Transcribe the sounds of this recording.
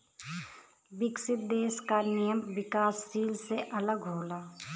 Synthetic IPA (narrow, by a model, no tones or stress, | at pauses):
bɪksɪt̪̚d̪eːskanɪjəmʋɪkaːsːiːlseʔɐləɡɦoːlaː